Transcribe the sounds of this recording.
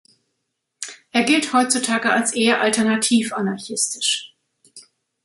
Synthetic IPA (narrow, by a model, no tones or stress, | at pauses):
ʔeːɐɡɪlthɔʏt͡sutʰaːɡəalsʔeːɐʔaltɛɐnatʰiːfanaɐçɪstɪ̥ʃ